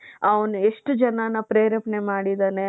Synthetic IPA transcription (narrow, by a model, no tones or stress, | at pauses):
ɐʋɐnueʂʈud͡ʒɐnanɐpɾeːɾɐpnemaːɽid̪aːne